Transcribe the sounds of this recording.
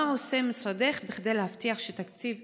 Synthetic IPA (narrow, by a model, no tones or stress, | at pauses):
aosemisɾade̞χbiχd̪ejlehaft̪iaχʃet̪akt͡siv